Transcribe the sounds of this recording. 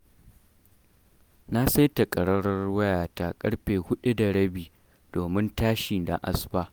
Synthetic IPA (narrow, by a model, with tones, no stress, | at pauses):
na˦sa˦jta˨kʼɐ˨ɽɐ˦ɽɐ˦rwɐ˦jaː˨ta˦kʼɐ˦ɽɸeː˨hʊ˦ɗi˦da˨ɽɐ˦biː˨ | d̥oː˨mɪ˦ntaː˦ʃi˨da̰˨ʔa̰˨sbaː˦